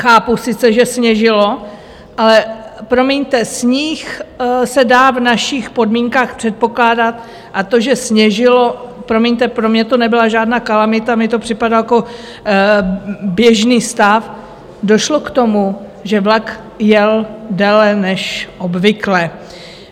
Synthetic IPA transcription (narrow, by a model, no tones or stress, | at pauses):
xaːpusɪt͡sɛʒɛsɲɛʒɪlo̞ | ʔalɛpɾo̞miɲt̪ɛsɲixsɛdaːvnaʃɪxpo̞dmiːŋkaːxpr̥ɛt̪̚po̞klaːdat̪̚ | ʔat̪o̞ʒɛsɲɛʒɪlo̞pɾo̞miɲt̪ɛpɾomɲɛt̪onɛbɪlaʒaːdnaːkalamɪt̪amɪt̪o̞pr̥ɪpadaljako | bjɛʒniːst̪af | doʃlo̞kt̪o̞mu | ʒɛvlak | jɛldɛːlɛnɛʃʔo̞bvɪklɛ